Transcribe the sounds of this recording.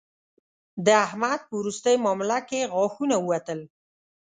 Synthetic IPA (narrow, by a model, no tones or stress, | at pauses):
d̪əahmad̪̚pəwɾust̪əjmɑmɪlakeɣɑxunaəwat̪əl